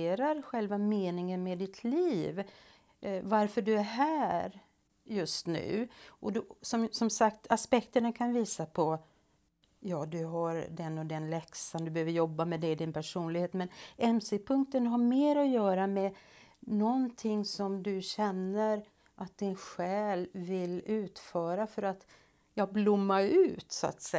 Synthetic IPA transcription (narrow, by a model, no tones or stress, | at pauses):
ɾaɾɧɛlvameːnɪŋənmɛd̪ɪt̪ʰliːv | vaɾfœɖɵæɾɦæːɾ | jɵst̪nʉ̟̰ːʔɔd̪sɔmsɔmsakt̪ʰaspɛkt̪əɳakʰanviːsapʰɔ | jɑːd̪ɵɦaɾd̪ɛnːɔd̪ɛnlɛksand̪ɵbɛhøːvəɾjɔbːamɛd̪ɛɪd̪ɪnpʰæʂuːnlɪɡheːt̪mɛnɛmsɪpʰɵŋk̚t̪ənɦaɾmeːɾɔjœːɾamɛ | nɔnt̪ʰɪŋːsɔmd̪ɵɕɛnːəɾ | ʔat̪̚d̪ɪnɧɛːlvɪlʉ̟ːt̪fœːɾafœɾat̪ | jɑːblʊmːaʉ̟ːt̪sʊa̰t̪sɛ